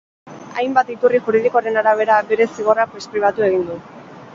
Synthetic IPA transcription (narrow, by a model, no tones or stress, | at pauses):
a̰jmbat̪it̪uriʝuɾið̞ikoaɾe̞naɾaβ̞e̞ɾabe̞ɾe̞siɣ̞o̞rapespɾiβat̪ue̞ɣ̞ind̪u